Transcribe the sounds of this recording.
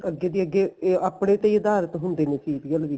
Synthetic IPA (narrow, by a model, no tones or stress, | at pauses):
əɡːeːd̪iːəɡːeːapɽẽːt̪eːd̪aːɾət̪ɦʊnd̪eːnẽːsiːt̪ɡəlʋiː